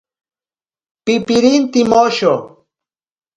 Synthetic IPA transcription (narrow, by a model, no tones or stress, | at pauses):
pɪpɪɾint̪ɪmoʃo